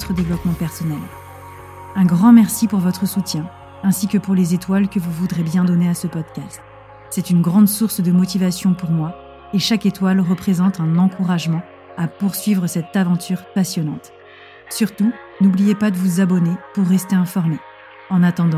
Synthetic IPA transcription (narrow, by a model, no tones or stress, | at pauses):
t̪χəd̪evlɔpmɑ̃pɛʁsɔnɛl | ɛ̃ɡʁɑ̃mɛʁsipuʁvɔt̪χəsut̪jɛ̃ | ɛ̃sikəpuʁlezet̪walkəvuvud̪ʁebjɛ̃d̪ɔneasəpɔd̪kʲast̪ | sɛt̪ynɡʁɑ̃d̪suʁsd̪əmɔt̪ivasjɔ̃puʁmwa | eʃaket̪walʁəpχezɑ̃t̪ɛ̃nɑ̃kuʁaʒmɑ̃ | apuʁsɥivʁəsɛt̪avɑ̃t̪ʰyʁpasjɔnɑ̃t̪ | syʁt̪u | nublijepad̪əvuzabɔnepuʁːɛst̪eɛ̃fɔʁme | ɑ̃nat̪ɑ̃d̪ɑ̃